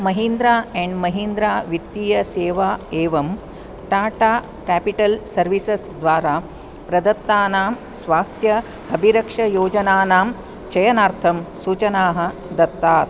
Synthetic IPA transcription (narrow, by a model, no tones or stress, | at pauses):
mɐɦind̪ɾaːeɳɖmɐɦind̪ɾaːʋit̪ːijɐseːʋaːeːʋɐm | ʈaːʈaː | kæːpiʈɐlsɐɾʋisesd̪ʋaːɾaː | pɾɐd̪ɐt̪ːaːnaːm | sʋaːst̪ʰjɐ | hɐbʱiɾɐkʂɐjoːd͡ʒɐnaːnaːm | t͡ʃɐjɐnaːɾt̪ʰɐmsuːt͡ʃɐnaːɦɐ̆ | d̪ɐt̪ːaːt̪